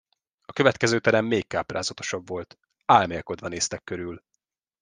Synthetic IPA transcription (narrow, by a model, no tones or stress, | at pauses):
ɒkøvɛt̪kɛzøːt̪ɛɾɛmːeːkːaːpra̰ːzɒt̪o̞̥ʃɒbvo̞lt̪ | aːlmeːlko̞d̪vɒneːst̪ɛkːøɾyl